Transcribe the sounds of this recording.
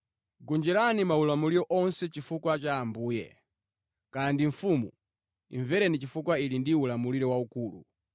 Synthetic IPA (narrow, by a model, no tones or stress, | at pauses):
ɡɔnd͡ʒɛɾanimaulamuliɾɔʔɔnsɛt͡ʃifukwat͡ʃaːmbuːjɛ̰ | kandiɱ̩fumu | ḭɱvɛɾɛnit͡ʃifukwailindiulamuliɾɛwaukuːlu